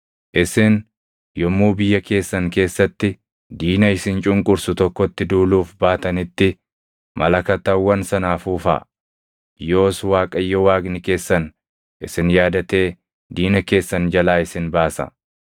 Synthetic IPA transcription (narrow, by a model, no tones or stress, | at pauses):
ʔɪsɪn | jɔmːuːbɪjːɐke̞ːsːɐŋke̞ːsːɐt̪ːɪ | d̪iːnɐɪsɪnt͡ʃʼʊŋkʼʊɾsʊt̪ɔkːɔt̪ːɪd̪uːluːfbaːt̪ɐnɪt̪ːɪ | mʔɐ̰lɐkɐt̪ːɐwːɐnsɐnaːfuːfa̰ː | joːswaːkʼɐjːɔwaːɡnɪke̞ːsːɐn | ʔɪsɪnjaːd̪ɐt̪e̞ː | d̪iːnɐke̞ːsːɐnd͡ʒɐlaːɪsɪnbaːsɐ̰